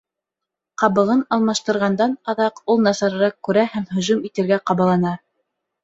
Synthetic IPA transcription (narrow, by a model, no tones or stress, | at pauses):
qɑβɤ̆ʁɤnɑlˠmɑʃt̪ɤ̆ɾʁɑnd̪ɑnɑðɑqulˠnɑsɑɾɤ̆ɾɑq̚kːʉɾæhæmhɵ̆ʒʉmit̪ɘ̆ɾɡæqɑβɑlˠɑnɑ